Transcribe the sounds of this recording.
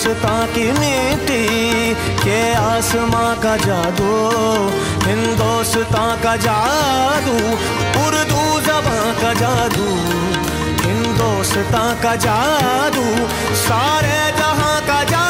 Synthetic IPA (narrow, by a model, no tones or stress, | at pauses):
st̪ãkimit̪i | keaːsmãkad͡ʒaːd̪o | ɦɪ̃nd̪oːst̪ãkad͡ʒaːd̪u | pʊɾd̪uzɐbã | kad͡ʒaːd̪u | ɦɪ̃nd̪oːs | t̪ãkad͡ʒaːd̪u | saːɾe | d͡ʒɐɦãkad͡ʒaː